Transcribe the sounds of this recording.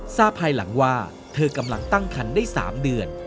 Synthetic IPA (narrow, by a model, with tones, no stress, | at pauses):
saː˥˩pʰːaː˧jla̰˩˦ŋwaː˥˩ | t̪ʰɤː˧ka˧mla˧ŋt̪a˥˩ŋkʰa˧ndaː˥˩jsa̰ː˩˦mdɯ˧ən